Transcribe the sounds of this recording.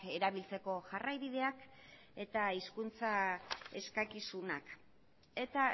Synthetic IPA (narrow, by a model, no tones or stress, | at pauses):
e̞ɾaβilt͡se̞ko̞ʝarajβið̞e̞ak | e̞t̪aiskunt͡sae̞skakisunak | e̞t̪a